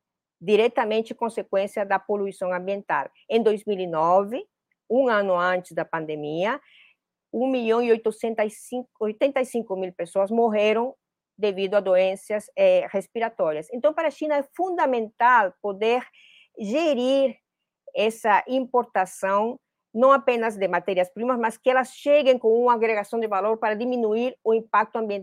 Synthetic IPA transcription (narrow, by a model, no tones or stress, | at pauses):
d̪iɾɛt̪ɐmẽnt͡ʃɪkõnsekwẽnsjɐd̪ɐpoluisõŋɐ̃mbjẽnt̪a̰l | ẽnd̪ojzmilinɔvɪ | ũŋãnʊɐ̃nt͡ʃ̪ɪ̥zd̪ɐpãnd̪emiɐ | ũŋmiʎõŋiojt̪osẽnt̪asiojt̪ẽnt̪ɐisĩŋkʊmilpesoɐzmoɦeɾõŋ | d̪evid̪ʊad̪oẽnsjɐsɛrespiɾat̪ɔɾjɐsẽnt̪ɐ̃w̃paɾaʃinɐɛfũnd̪amẽnt̪alpod̪eɾ | ʒeɾiɾ | ɛsɐʔĩmpoɾt̪asɐ̃w̃ | nɐ̃apẽnɐzd̪emat̪ɛɾjɐspɾimɐzmaskɪɛlɐsʃeɡẽŋkõŋũŋaːɣɾeɣasɐ̃nd̪evaloɾpaɾɐd̪imĩnuiɾoĩmpak̚t̪ʊɐ̃mbjẽn